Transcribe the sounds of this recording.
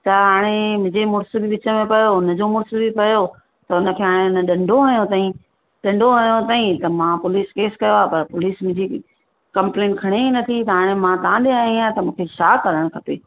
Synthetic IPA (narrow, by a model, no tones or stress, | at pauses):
t̪ɐɦaːɽ̃emʊ̃ɦɪ̃d͡ʑemʊɽsbiʋɪt͡ɕə̆mẽpɐjoʊnə̆d͡ʑomʊɽsobʱipɐjo | t̪ɐʊnə̆kʰeːɦaːɽ̃eʊnə̆ɗɐ̃ɳɖʱoɦɐɦijõt̪aːɦĩ | ɗɐ̃ɳɖʱoɦɐɦjõt̪aːĩt̪ɐmãpʊliːskeːskɐjoaːpɐɾpʊliːsmʊ̃ɦd͡ʑi | kɐ̃mpleːnʈkʰɐɽ̃einɐt̪ʰit̪ɐɦaːɽ̃emãt̪ãɗ̪eaːɦĩãt̪ɐmũːkʰeʃaːkɐɾəɽ̃kʰɐpeː